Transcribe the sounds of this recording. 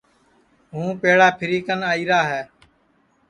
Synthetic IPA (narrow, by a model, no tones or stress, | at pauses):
ɦũːpeːɽaːpʰɪɾiːkənaːiːɾaːɦɛː